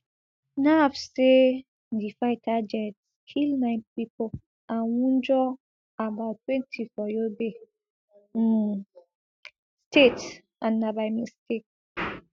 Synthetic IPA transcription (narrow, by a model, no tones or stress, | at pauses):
nafse | difaɪtʰad͡ʒɛtskʰilnaɪpipo | ãwũnd͡ʒɔ | abaʊtːwɛ̃ntʰifɔjobe | stet | ãnːabajmistek̚